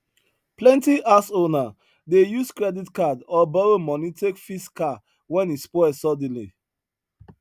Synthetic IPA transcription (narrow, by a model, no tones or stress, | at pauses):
plɛ̃ntiʔasona | dejuskɹɛditkadɔbɔɹomɔ̃nitʰekfiska | wɛ̃nispɔɛsɔdĩlḭ